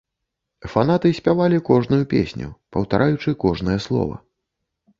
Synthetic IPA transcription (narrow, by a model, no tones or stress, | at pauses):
fan̪at̪ɨsʲpʲavalʲikɔʐnujupʲḛsʲnʲṵpɐwt̪aɾʔajut͡ʂɨkɔʐnɐjɛslˠɔ̰vɐ̰